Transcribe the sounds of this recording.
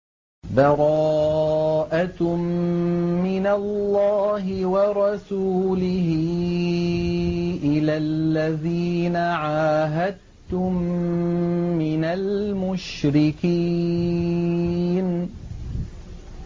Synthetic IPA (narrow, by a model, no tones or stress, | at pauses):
bɑɾˤɑː | ʔamː | ɪnalːɑːɦɪwɑɾˤɑsuːlɪhɪ | ʔɪlalːaðiːnaʕaːɦad̪̚ | t̪ʊm | ɪnalmʊʃɾɪkiː | n